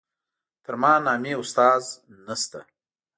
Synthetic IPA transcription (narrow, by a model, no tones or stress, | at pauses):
t̪əɾmɑnɑːmeʊst̪ɑːz | nast̪a